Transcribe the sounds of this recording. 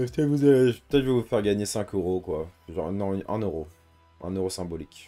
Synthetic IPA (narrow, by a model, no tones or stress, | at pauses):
ɛpət̪ɛt̪vuzalepət̪ɛt̪ʒvəvufɛʁɡaɲesɛ̃køʁokwaʒɑ̃nɔ̃ʔɛ̰̃nøʁo | ʔɛ̰̃nøʁosɛ̃bɔlik